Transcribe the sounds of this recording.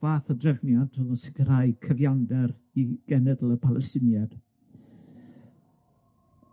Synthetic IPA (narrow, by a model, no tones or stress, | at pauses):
vaːθədrɛvnjadʰuðənsɪɡəɾajkʰəvjandɛɾ | iɡ̥ɛnɛdəlˠəpʰalˠɛstɪnjad̥